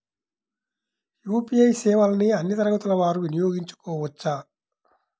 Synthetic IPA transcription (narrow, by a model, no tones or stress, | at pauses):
juːpiɐjsɛːʋɐlɐniɐnːjɐt̪ɐɾɐɡɐt̪ulɐʋaːɾuʋinijo̞ːɡiɲt͡ʃu̥koːʋɐt͡ʃːaː